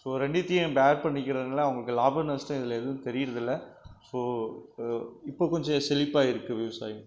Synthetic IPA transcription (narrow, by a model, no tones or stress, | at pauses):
soːɾɛɳɖɪt̪ːɪjɐ̃baːɾpɐɳːɪk̬ʲːɪɾɐðɯnaːlːɐɐʋɐŋɡɐɭɯkːɯlaːbɐɾnɐsʈãːɪðɪleðɐʋɯ̃t̪ɛɾɪjɪɾɐðɪlːɐsoː | ɪpːoːkɔɲd͡ʒɐsɛlɪpːaːɪɾɯkːɯʋɪʋɐsa̰ːjɯ̃